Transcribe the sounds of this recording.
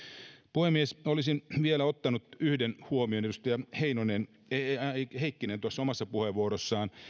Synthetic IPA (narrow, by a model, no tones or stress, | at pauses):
puhemːiesolisinʋielæot̪ːɑnut̪yhdenhuomio̞nedust̪ɑjɑheinonen | heikːinent̪uɑsːomɑsːɑpuheʋuoɾosːɑːn